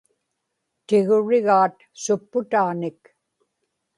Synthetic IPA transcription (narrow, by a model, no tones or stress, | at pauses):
t̪ɪɣʊɻɪɣaːt̪ | sʊpːʊt̪aʁnɪk